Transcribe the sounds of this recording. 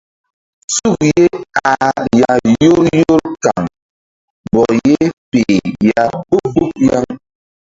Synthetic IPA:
su˦˨kje˦a˨ja˨jo˦ɾjo˦ɾka˨ŋ | bɔ˨je˦pe˨ja˨bo˦k͡po˦p̚ja˦ŋ

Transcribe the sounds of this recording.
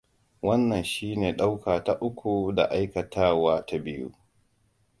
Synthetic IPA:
wɐ˦nːɐ˨nʃiː˦neː˨ɗa˦wkaː˨ta˦ʔʊ˦kʷu˨da̰˨ʔa˦jkɐ˨tʰaː˦waː˦ta˦bɪ˦jṵ˦

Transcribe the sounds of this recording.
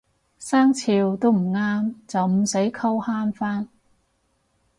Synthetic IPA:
saː˥ŋt͡sʰiː˧wt̪o˥wm̩˨˩ŋaː˥mt͡sɐ˨wm̩˨˧se˨˥jkʰɐ˥whaː˥nfaː˥n

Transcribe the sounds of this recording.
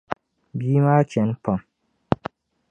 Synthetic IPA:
biː˨˦ma˦t͡ʃɛ˨˦n̩˦pɔ˨m

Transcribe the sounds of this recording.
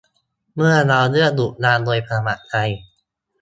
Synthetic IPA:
mɯ˥˩ɐna˧wnɯ˥˩ədu˨˩ʔ̚naː˧ndoː˧jpʰa˧a˧ma̰˧˩ʔka˧j

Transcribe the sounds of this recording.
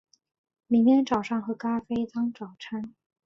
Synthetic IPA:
mi˧˥ŋmjɛ˥nʈ͡ʂɑ˨˩ʊʂɑ˥˩ŋxɤ˧˥ka˥fe˥ɪt͡sɑ˥ŋʈ͡ʂɑ˨˩ʊʈ͡ʂʰa˥n

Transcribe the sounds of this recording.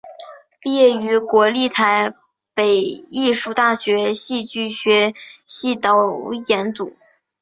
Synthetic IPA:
pi˥˧jɛ˥˩y˧˥kwɔ˧˥li˥˩t̪ʰa˧˥ɪ | pe˨˩ɪi˥˧ʂu˥˩t̪a˥˩ɕɥɛ˧˥ɕi˥˧t͡ɕy˥˩ɕɥɛ˧˥ɕi˥˩t̪ɑ˧˥ʊjɛ˧˥nt͡su˨˩˦

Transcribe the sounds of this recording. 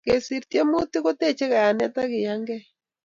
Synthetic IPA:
ɣe˨si˨ɾte˦mu˦ti˦ɣo˦te˦t͡ʃe˦ɣa˨a˨nɛ˦ta˦ɣi˨ja˦ŋɡɛ˦

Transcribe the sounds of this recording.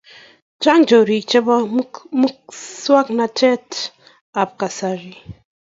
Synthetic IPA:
d͡ʒa˦ŋd͡ʒo˨ɾi˨t͡ʃɛ˦ba˦mu˦k̚swa˦kna˨tʰɛ˦t | a˨p̚ka˨sa˨ɾi˨

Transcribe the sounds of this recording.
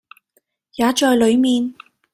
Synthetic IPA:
jaː˨˥t͡ʃɔː˧jlɵ˨˧ɥmiː˨n

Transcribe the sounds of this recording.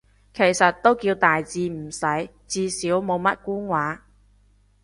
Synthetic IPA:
kʰe˨˩jsɐ˨t̚t̪o˥wkiː˧wt̪aː˨jt͡siː˧m̩˨˩sɐ˨˥j | t͡siː˧siː˨˥wmo˨˧wmɐ˥t̚kuː˥nwaː˨˥

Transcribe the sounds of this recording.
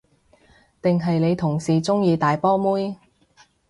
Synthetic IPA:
t̪ɪ˨ŋɦɐ˨jle˨˧jt̪ʰʊ˨˩ŋsiː˨t͡sʊ˥ŋjiː˨˧t̪aː˨jpɔː˥muː˥j

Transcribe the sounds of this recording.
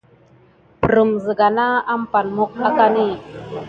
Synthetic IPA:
pə˨ɾə˨mzə˨ɡa˨na˦a˦mpa˨nmo˦k̚a˦ka˦ni˦˨

